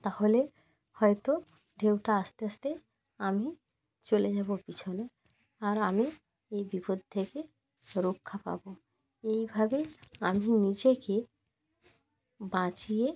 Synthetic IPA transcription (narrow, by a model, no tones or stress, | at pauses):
t̪ahole | hɔet̪o | ɖʱewʈaast̪east̪e | ami | t͡ɕoled͡ʑabopit͡ɕʰone | aɾami | ejbipod̪̚ʱt̪ʰːeke | ɾokʰːapa̰bo | ejbʱabeaminid͡ʑeke | bãt͡ɕije